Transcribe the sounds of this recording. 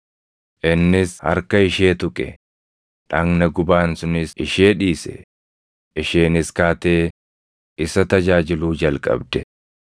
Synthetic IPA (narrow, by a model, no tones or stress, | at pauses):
ʔɪnːɪshɐ̰ɾkɐɪʃeːt̪ʊkʼɛ | ᶑɐŋnɐɡʊbaːnsʊnɪsɪʃeːᶑiːsɛ̰ | ʔɪʃeːnɪskaːt̪e̞ː | ɪsɐt̪ɐd͡ʒaːd͡ʒɪluːd͡ʒɐlkʼɐ̰bd̪ɛ